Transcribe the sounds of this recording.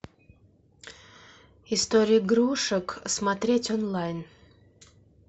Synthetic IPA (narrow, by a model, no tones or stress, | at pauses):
ist̪oɾʲijɡɾuʂəksmat̪ɾʲetʲonlˠajn